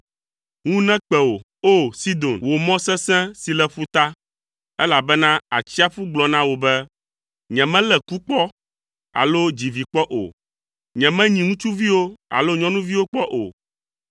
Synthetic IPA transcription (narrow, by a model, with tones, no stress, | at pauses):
ŋũ˦nɛ̃˦k͡pɛ˨wo˨ | o˦si˦d̪o˨nwo˨mɔ̃˦sɛ̃˦sɛ̃˦si˨lɛ˦ɸu˦t̪a˦ | ɛ˦la˨bɛ˦nã˦a̰˨t͡ɕi˦a˦ɸu˦ɡ͡blɔ˨nã˦wo˨bɛ˦ | ɲɛ̃˨mɛ̃˦lɛ˨ku˦k͡pɔ˦ | a̰˨lo˦d͡ʑi˨vi˨k͡pɔ˦ʔo̰˨ | ɲɛ̃˨mɛ̃˦ɲĩ˨ŋũ˦t͡ʃu˦vi˦wo˦a̰˨lo˦ɲɔ̃˦nũ˦vi˦wo˦k͡pɔ˦ʔo̰˨